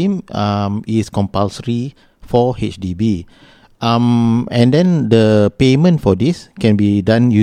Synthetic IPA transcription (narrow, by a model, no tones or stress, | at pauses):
ĩmamiskɔ̃mpalsəɹi | fɔhet͡ʃdibi | ʔãmɛ̃ndɛ̃ndəpemə̃ntfɔdiskɛ̃nbidãnju